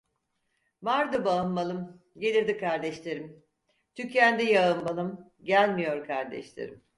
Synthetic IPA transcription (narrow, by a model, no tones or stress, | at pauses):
maɾd̪ɯbaɯnmalˠɯm | ɟelʲiɾd̪ikaɾd̪ɛʃlʲe̞ɾim | t̪ʰycænd̪ɛjaɯmbalˠɯm | ɟælʲmijo̞ɾkʰaɾd̪ɛ̰ʃlʲḛɾḭm